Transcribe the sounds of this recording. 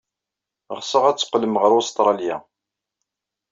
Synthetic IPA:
ʁsəʁæt͡sːə̥qːləmʁəɾʊst̪ɾˤɑljæ̰

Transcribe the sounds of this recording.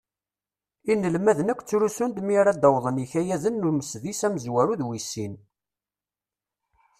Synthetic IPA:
inːəlmæðənækʷːt͡sːɾusund̪miɾæd̪ɑwðˤənjiçæjæðənːuɾməsðisæməzwæɾuðwisːin

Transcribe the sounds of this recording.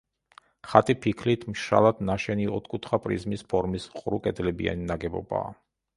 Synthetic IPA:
χat̪ʼipʰikʰlit̪ʰmʃa̰lˠad̪̥naʃɛniɔt̪ʰkʼut̪ʰχapʼɾḭzmispʰɔɾmisqʼɾukʼɛd̪lɛbḭa̰ninaɡɛbɔ̰ba̰ː

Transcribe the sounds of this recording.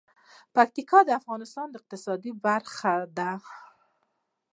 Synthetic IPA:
pak̚t̪ikɑd̪əafɣɑnɪst̪ɑnd̪əɪq̚t̪ɪsɑd̪ibaɾxad̪a

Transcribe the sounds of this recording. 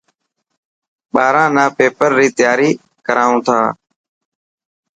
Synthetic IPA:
ɓaːɾãːnaːpeːpəɾːiːt̪ɪjaːɾiː | kəɾaːũːt̪ʰa̰ː

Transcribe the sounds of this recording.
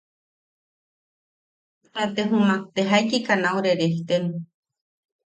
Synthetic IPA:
t̪at̪eɦũmãk̚t̪eɦajkikanauɾeɾeht̪enũ

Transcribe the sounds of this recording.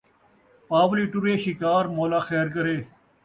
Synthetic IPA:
paːʋliːʈʊɾeːʃɪkaːɾmoːlaːxeːɾkəɾeː

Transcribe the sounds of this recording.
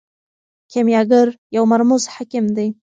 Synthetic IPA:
kʲʰemjaɡɨrjawmarmuzħakʲɪmd̪ej

